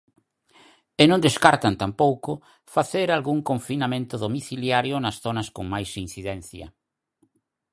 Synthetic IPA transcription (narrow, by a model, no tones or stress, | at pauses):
enõnd̪eskaɾt̪ant̪ampowkʊ | faθeɾalɣuŋkõɱfinamẽnt̪ʊðomiθiljaɾjʊnɐsθonɐskoŋmajsin̟θiðɛn̟θjɐ̰